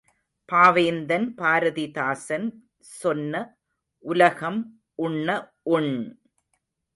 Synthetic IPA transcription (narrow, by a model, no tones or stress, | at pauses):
paːʋeːnd̪ɐnpaːɾɐðɪðaːsɐn | sɔnːɐ | ʔʊlɐɣɐm | ʊɳːɐ | ʔʊɳ